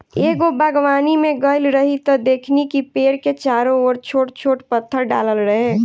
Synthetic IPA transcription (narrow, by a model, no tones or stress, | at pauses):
eːɡobʱəɡʋaːnimẽɡəɪlɾəɦit̪ɔd̪eːkʰnikipeːɾket͡ʃaːɾõoːɾt͡ʃʰoːʈt͡ʃʰoːʈpət̪ʰːəɾɖa̰ːləlɾəɦe